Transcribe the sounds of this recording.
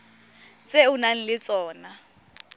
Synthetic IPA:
t͡sʼeʊnaŋ̩lɪt͡sʼɔːna

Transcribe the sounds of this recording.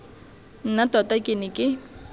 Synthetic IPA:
n̩natɔtakʼɪnɪkʼɪ

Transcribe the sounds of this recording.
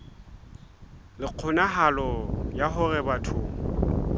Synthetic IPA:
lɪq͡χʰʊnaɦalɔjaɦʊrɛbatʰʊːŋ̩

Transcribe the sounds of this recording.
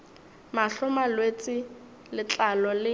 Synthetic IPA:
maɬʊmalwet͡sʼɪ | lɪt͡ɬʼalɔlɪ

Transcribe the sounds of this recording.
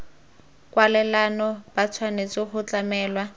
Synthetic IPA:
kʼwalɛlanɔb̥at͡sʰwanet͡sɪhʊt͡ɬʼamɛːlwa

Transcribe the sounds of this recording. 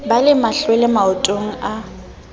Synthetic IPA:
balɪmaɬwelɪmaʊtʼoŋ̩a

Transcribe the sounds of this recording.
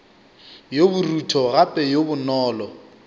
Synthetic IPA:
jobʊrutʰɔɣapʼɛjobʊnɔːlɔ

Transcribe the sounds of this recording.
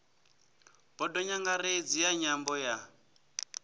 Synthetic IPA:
b̥ɔdɔɲaŋɡaɾed͡zijaɲambɔja

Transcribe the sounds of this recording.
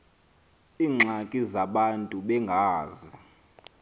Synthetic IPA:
iːŋ͡ǁʱakʼizaɓantʼuɓɛŋɡʱaːzi

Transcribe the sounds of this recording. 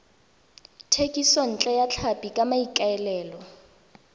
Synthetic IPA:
tʰekʼisɔn̩t͡ɬʼɛjat͡ɬʰapʼikʼamaikʼaɛlɛːlɔ

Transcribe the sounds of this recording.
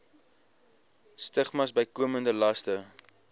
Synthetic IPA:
stəχmɐsbəjkuəməndəlɐstə

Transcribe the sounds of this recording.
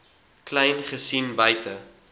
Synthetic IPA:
klɛjnχəsinbəjtə

